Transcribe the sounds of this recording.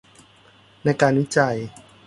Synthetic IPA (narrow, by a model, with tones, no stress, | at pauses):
na˧jkaː˧nwi˦˥t͡ɕa˧j